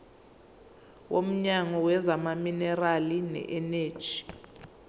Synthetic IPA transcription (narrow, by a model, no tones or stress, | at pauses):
wom̩ɲaŋɔwɛzamaminɛralinɛ̰ʔɛneːd̥ʒ̥ʱi̥